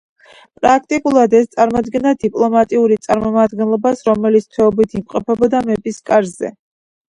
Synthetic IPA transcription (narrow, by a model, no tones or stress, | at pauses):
pʼɾak̚ʰt̪ʼikʼulˠad̪ɛst̪sʼaɾmɔd̪ɡɛnad̪ipʼlˠɔmat̪ʼiuɾit̪sʼaɾmɔmad̪ɡɛnlˠɔbasɾɔmɛlit̪st̪ʰwɛɔbit̪ʰimqʼɔpʰɛbɔd̪amɛpʼiskʼaɾzɛ̰